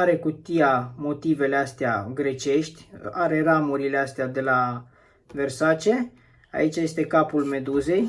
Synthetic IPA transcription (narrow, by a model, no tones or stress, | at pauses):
aɾe̞kut̪ijamo̞t̪ive̞least̪ea̰ɡɾe̞t͡ʃe̞ʃt̪ʲaɾe̞ramuɾile̞ast̪ead̪e̞la | ve̞rsat͡ʃe̞ | a̰it͡ʃaje̞st̪e̞kapulme̞d̪uze̞j